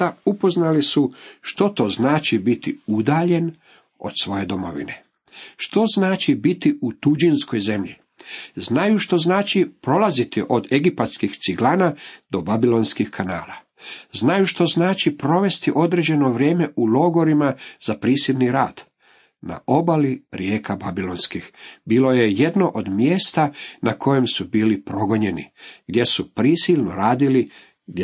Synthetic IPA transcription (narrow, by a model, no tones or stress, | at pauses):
aupo̞znalisuʃt̪o̞t̪o̞ːznaːt͡ʃibit̪iud̪aːʎe̞n | o̞̰d̪sʋo̞je̞d̪o̞mo̞̰ʋḭne̞ | ʃt̪o̞znaːt͡ʃibit̪iut̪ud͡ʒinsko̞jze̞mʎḭ | znajuʃt̪o̞znaːt͡ʃipɾo̞lazit̪iʔo̞d̪e̞ɡipat̪skixt̪siɡlˠaːnad̪o̞babilo̞nskixkʰana̰ːlˠa | znajuʃt̪o̞znaːt͡ʃipɾo̞ʋe̞st̪iʔo̞d̪ɾed͡ʑe̞no̞ʋɾje̞ːme̞ʔulo̞ɡo̞ɾimazapɾiːsilniɾaːd̪̥ | na̰ʔo̞baliɾjeːkababilo̞nskixbiːlo̞je̞jed̪noʔod̪mje̞ːst̪anakʰo̞je̞msubiːlipɾo̞ɡo̞ɲe̞nḭɡd̪je̞supɾisilnoɾaːd̪ili